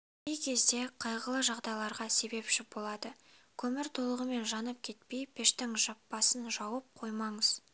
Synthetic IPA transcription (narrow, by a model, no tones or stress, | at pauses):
ejkʲʰe̞zd̪e̞qʰɑjʁəlˠəʒɑʁd̪ɑjlˠɑɾʁɑse̞be̞pʃɪbo̞lˠɑd̪ə | kʲʰɵmɪɾt̪ʰo̞lˠəʁəme̞nʒɑnəp̚kʲʰe̞t̪pe̞jpʰɪʃt̪ɪŋʒɑpːɑsənʒɑwəp̚qʰo̞jmɑɴəz̥